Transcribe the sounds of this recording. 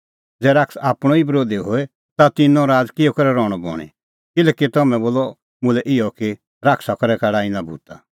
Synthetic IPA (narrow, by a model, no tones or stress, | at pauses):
d͡zɛːɾaksaːpɽ̃ɔ̃ibɾoːd̪eɦoɛ | t̪at̪ɪnːɔ̃ɾaːd͡zkɪjɔkɐɾɛɾɔ̃ːɔbɔ̰ːɽ̃ḭ | kɪlɛːkit̪ɔmɛ̃boːlɔ | mʊ̃lɛʔɪɔki | ɾakʰsakɔɾɛkaɽaːinabʱṵːt̪a